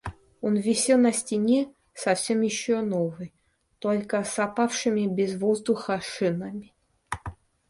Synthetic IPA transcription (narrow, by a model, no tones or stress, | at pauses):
onvʲɪsʲenɐsʲtʲɪnʲe | sɐfsʲemjɪɕːonovɨj | t̪olʲkəsɐpafʂɨmʲɪbʲɪzvozd̪ʊxɐʂɨnɐmʲɪ